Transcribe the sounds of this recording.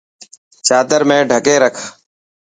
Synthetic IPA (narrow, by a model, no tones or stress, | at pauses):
t͡ʃaːd̪əɾmẽːɖʱəkeːɾəkʰ